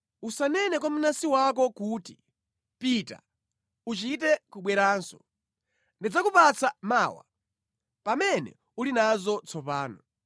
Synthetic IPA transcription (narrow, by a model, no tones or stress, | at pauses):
usanɛnɛk̬amunasiwak̬ɔkuːti | pita̰ | ut͡ʃit̬ɛkuɓwɛɾaːnsɔ | ndid͡zakupat͡sʰamaːwa̰ | pamɛnɛ̰ | ulinazɔt͡sʰɔpaːnɔ